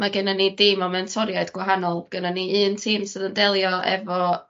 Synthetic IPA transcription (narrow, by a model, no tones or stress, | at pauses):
maɡɛnənidiːmɔmɛntʰɔɾjaɨd̥ɡwaɦanɔlˠbɡ̥ənəniɨːntʰiːmsɨdəndɛlˠjɔʔɛ̰vɔ